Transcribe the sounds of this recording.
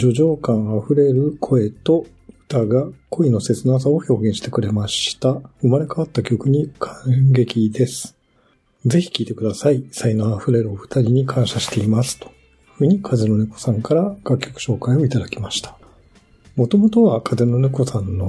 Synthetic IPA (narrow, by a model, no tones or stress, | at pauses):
d͡ʑo̞ʑo̞ːkãɰ̃aɸɯ̟ɾe̞ɾɯ̟kʰo̞e̞t̪o̞ | ɸɯ̟̥t̪aɡakʰo̞ino̞se̞t͡sɨnaːs̬ao̞ço̞ːɡẽɕi̥t̪e̞kɯ̟ɾe̞maɕt̪aɯ̟maɾe̞kaβat̪ːakʲo̞kɯ̟ɲ̟ikʰãɡe̞kʲid̪e̞sɨ̥ | d͡ze̞çi̥kʲiːt̪e̞kɯd̪asaisainoaɸɯ̟ɾe̞ɾɯ̟oɸɯ̥t̪aɾʲiɲ̟ikʰãɰ̃ɕaɕi̥t̪e̞imasɨ̥t̪o̞̥ | ɸɯ̟ːɲ̟ikʰazeno̞neko̥sãŋkaɾaɡ̥akʲːo̞kɯ̟̥ɕo̞ːkaio̞it̪ad̪akʲimaɕi̥t̪ʰḁ | mo̞t̪o̞mo̞t̪o̞βakʰazenoneko̞sãnːo̞